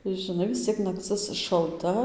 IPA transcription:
ʒʲɪˈnɐɪ ʋʲɪs ˈt͡sʲiɛk nɐkˈt͡sɨs ʃɐlˠˈtɐ

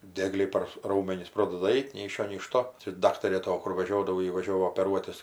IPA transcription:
ˈdʲiɛɡlʲɛɪ pɐr ˈrɐʊmʲɛnʲɪs ˈproːdɐdɐ ˈɐɪt nʲɛɪ ɪʃ ˈʃʲoː nʲɛɪ ɪʃ ˈtoː t͡ʃʲɛ ˈdɑːktɐrʲeː ˈtoː ˈkʊr ˈʋɑːʒʲoːdɐʋoː ˈjɪ ʋɐˈʒʲoːʋoː oːpʲɛˈruɔtʲɪs

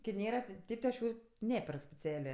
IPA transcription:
kʲɪ ˈnʲeːrɐ tʲɪ ˈtʲeːp tʲɪ ɐʃ ˈjuː ˈnʲæːpʲɛrk sʲpʲɛˈt͡sʲæːlʲeː

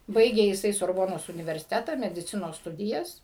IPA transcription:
ˈbɐɪɡʲeː jɪˈsɐɪ soːrˈboːnoːs ʊnʲɪʋʲɛrʲsʲɪˈtʲæːtɐ mʲɛdʲɪˈt͡sʲɪnoːs ˈstʊdʲɪjɛs

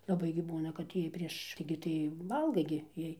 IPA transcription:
lˠɐˈbɐɪ ɡʲɪ ˈbuːnɐ kɐt ˈjiɛj pʲrʲiɛʃ ˈtɐɪɡʲɪ tɐɪ ˈʋɐlˠɡɐɪ ɡʲɪ ˈjiɛj

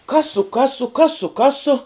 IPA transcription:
ˈkɑːsʊ ˈkɑːsʊ ˈkɑːsʊ ˈkɑːsʊ

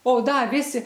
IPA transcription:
oː ˈdɐ ˈʋʲɪsʲɪ

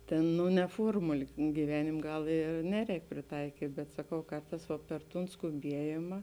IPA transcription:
ˈtʲeːn ˈnʊ nʲɛ ˈfuɔrmʊlʲɪ ɡʲiːˈʋʲæːnʲɪmʲeː ˈɡɐlˠ ɪr ˈnʲæːˌrʲɛːk pʲrʲɪˈtɐɪkʲiːtʲ bʲɛt sɐˈkɐʊ ˈkɐrˌtɑːs ʋɐ pʲɛr ˈtuːn skʊˈbʲiɛjɪmɐ

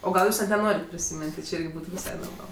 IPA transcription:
oː ˈɡɐlˠ ˈjuːs nʲɛt nʲɛˈnoːrʲɪt pʲrʲɪsʲɪˈmʲɪnʲtʲ tʲɪ ˈt͡ʃʲɪ ˈɪrʲɡʲɪ ˈbuːtʊ ʋʲɪˈsɐɪ noːrˈmɐlˠ

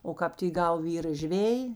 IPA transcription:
oː ˈkɑːp tʲɪ ˈɡɐʊ ˈʋʲiːrɐ ˈʒʲʋʲeːjɪ

